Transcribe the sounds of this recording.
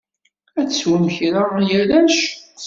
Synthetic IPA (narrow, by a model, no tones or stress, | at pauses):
æt͡sswəmçɾajælæʃ